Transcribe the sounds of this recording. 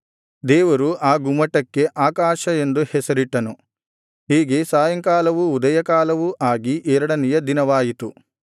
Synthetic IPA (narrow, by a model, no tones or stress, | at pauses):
d̪ɛːʋɐɾuʔaːɡumɐʈːɐkːe̞ʔaːkaːʃɐe̞nd̪uhɛsɐɾiʈːɐnu | ɦiːɡe̞saːjɐŋkaːlɐʋuːd̪ɐjɐkaːlɐʋuʔaːɡiʔɛːɾɐɽɐnɛjɐd̪inɐʋaːjit̪u